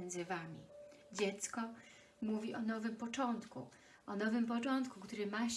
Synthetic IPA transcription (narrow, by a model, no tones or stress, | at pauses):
nd̪zɘvamʲḭd͡ʑɛt̪skɔ | muvʲiʔɔnɔvɘmpɔt͡ʂɔnt̪kṵ | ɔnɔvɘmpɔt͡ʂɔnt̪kukt̪uɾɘmaɕ